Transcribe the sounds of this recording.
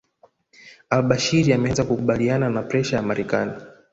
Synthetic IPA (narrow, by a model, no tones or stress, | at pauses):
alɓaʃiɾiamɛazakukuɓaliananapɾɛʃajamaɾɛkani